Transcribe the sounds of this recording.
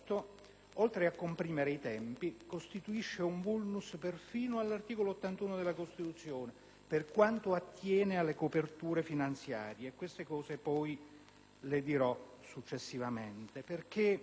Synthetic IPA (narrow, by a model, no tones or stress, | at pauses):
t̪o | olt̪ɾeakːompɾiːmeɾeit̪ɛmpikost̪it̪uiʃːeuɱbulnusperfiːnoalːart̪iːkoloot̪ːant̪uːnod̪elːakost̪it̪ut̪sːjoːne | perkwant̪oat̪ːjɛːnealːekopert̪uːɾefinant̪sja̰ːɾjeːkːwest̪ekɔːzepɔj | led̪iɾɔsut͡ʃːesːivament̪eperk̟e